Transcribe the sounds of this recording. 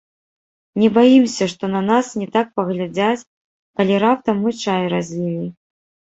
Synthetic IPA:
nʲɛbajimsʲɐʂt̪ɔnɐnasnʲɛt̪ak̚pɐɣlʲad͡zʲat͡sʲ | kɐlʲiɾap̚t̪ɐmɨt͡ʂajɾazʲvʲilʲi

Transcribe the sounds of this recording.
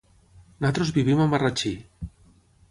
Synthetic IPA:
nat̪ɾozβiβimamarat͡ʃi

